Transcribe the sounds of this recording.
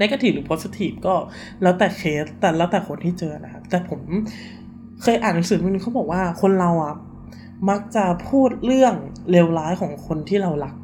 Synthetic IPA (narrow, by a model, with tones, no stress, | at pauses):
na˦˥ka˧t̪ʰiː˨˩ɾɯː˩˦pʰo˦˥si˧t̪ʰiː˨˩p̚kɔː˥˩ | lɛː˦˥t̪ɛː˨˩kʰeː˦˥ɛː˨˩lɛː˦˥wt̪ɛː˨˩kʰo˧nt̪ʰiː˥˩t͡ɕɤː˧na˦˥kʰa˦˥p̚t̪ɛː˨˩pʰo˩˦m | kʰɤː˧jʔaː˨˩nːa˨˦sɯː˨˦˧niː˦˥a˦˥wbɔː˨˩k̚waː˥˩kʰo˧nɾa˧wʔa˨˩ | ma˦˥k̚t͡ɕa˨˩pʰuː˥˩t̪̚ɾɯ˥˩əŋle˧wlaː˦˥jkʰɔː˩˦ŋkʰo˧nt̪ʰiː˥˩ɾa˧wla˦˥k̚